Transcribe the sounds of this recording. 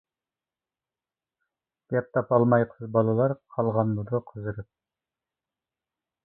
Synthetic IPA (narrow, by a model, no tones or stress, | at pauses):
bɑt̪ːɑpɑlˠmɑjqʰəzbɑlˠɨlˠɑɾqʰɑlˠʁɑnlud̪əqʰəzɨɾɨp̚